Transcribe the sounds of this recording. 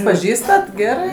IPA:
pɐˈʒʲiːstɐt ˈɡʲæːrɜ

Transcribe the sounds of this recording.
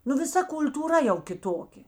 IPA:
nʊ ʋʲɪˈsɐ kʊlʲtuːˈrɐ jɛʊ kʲɪˈtoːkʲeː

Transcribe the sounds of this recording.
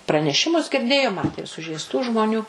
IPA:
prɐnʲɛˈʃʲɪmʊs ɡʲɪrʲˈdʲeːjoː ˈmɑːtʲeː ɪr sʊʒʲɛɪsˈtuː ʒmoːˈnʲuː

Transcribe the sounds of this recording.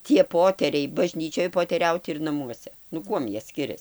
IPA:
tʲiɛ poːˈtʲæːrʲɛɪ bɐˈʒʲnʲiːt͡ʃʲoːj poːtʲɛˈrʲɛʊt ɪr nɐˈmuɔsʲɛ nʊ ˈkuɔm ˈjiɛ ˈsʲkʲɪrʲɛs

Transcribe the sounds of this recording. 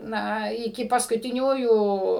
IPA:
ˈnɐ ɪˈkʲɪ pɐskʊtʲɪˈnʲuːjuː

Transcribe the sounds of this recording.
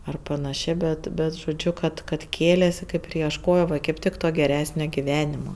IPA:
ɐr pɐnɐˈʃʲeː ˈbʲɛt ˈbʲɛt ʒoːˈd͡ʒʲʊ ˈkɐt kɐt ˈkʲeːlʲeːsʲɪ ˈkɐɪp ɪr iɛʃˈkoːjoː ʋɐ kɐɪp ˈtʲɪk toː ɡʲɛˈrʲæːsʲnʲoː ɡʲɪˈʋʲæːnʲɪmoː

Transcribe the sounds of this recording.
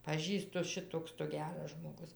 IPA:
pɐˈʒʲiːstʊ ˈʃʲɪtoːks tʊ ˈɡʲæːrɐs ʒmoːˈɡʊs

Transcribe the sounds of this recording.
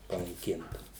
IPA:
pɐnɐɪˈkʲɪntɐ

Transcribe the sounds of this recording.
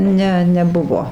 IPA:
ˈnʲɛ nʲɛˈbʊʋoː

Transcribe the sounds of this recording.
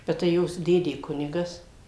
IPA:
bʲɛt tɐɪ ˈjoːs ˈdʲeːdʲeː ˈkʊnʲɪɡɐs

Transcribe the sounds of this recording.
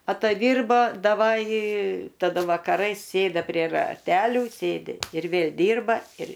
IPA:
ɐtɐˈdʲiːrboː dɐˈʋɐj tɐˈdɐ ʋɐkɐˈrɐɪs ˈsʲeːdɐ pʲrʲiɛ rɐˈtʲæːlʲuː ˈsʲeːdʲɪ ɪr ˈʋʲeːlʲ ˈdʲiːrbɐ ɪr

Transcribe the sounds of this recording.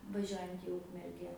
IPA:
ʋɐˈʒʲuɔjɛnt iː ˈʊkmʲɛrʲɡʲɛ

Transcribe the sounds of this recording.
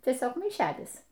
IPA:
tʲiɛˈsʲoːk mɐɪˈʃʲæːlʲɪs

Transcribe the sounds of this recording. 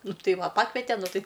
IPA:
ˈnʊ ˈtɐɪ ˈʋɐ ˈpɑːkʋʲɛtʲɛ ˈnʊ ˈtɐɪ

